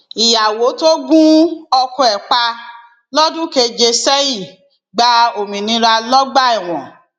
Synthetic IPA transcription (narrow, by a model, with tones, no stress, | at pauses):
i˨ja˨wo˨˦to˦ɡũ˦ɔ˧kɔ̃˧ɛ˨k͡pa˧ | lɔ˦dũ˦ke˧d͡ʒe˧sɛ˦i˦˨ | ɡ͡ba˨˦o˨mĩ˨nĩ˧˦ɾa˧lɔ˦ɡ͡ba˦i˦˨w̃ɔ̃˨